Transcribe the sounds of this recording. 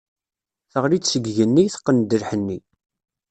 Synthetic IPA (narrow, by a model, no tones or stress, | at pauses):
θəʁɾit͡sːsəɡʝənːiθə̥qːənd̪əɾħənːi